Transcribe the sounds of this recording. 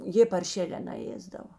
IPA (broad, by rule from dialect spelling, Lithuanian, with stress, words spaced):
ˈjeː pɐrʲˈʃʲeːlʲɛː nɐˈeːzdɐʋoː